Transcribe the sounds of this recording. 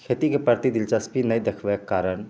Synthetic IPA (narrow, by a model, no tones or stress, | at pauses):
kʰet̪ikepəɾt̪id̪ɪlt͡ʃaspinəjd̪ekʰʋekːaːɾəɳ